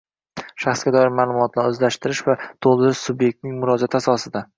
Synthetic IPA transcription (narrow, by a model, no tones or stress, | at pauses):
ʃaχsɡʲad̪ɒɪɾmaːlˠʊmɒt̪ʰlaɾɵzlaʃt̪ɪɾɪʃvat̪ʰolˠd̪ɪɾɪʃsʊbje̞k̚ʲt̪nɪŋʲmʊɾɒd͡ʒat̪ʰɪasɒsɪd̪a